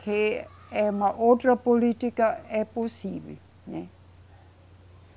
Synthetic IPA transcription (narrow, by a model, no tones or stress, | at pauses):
kʰe | ɛmaʔot̪ɾapolit̪ikaɛposibḭl | nɛ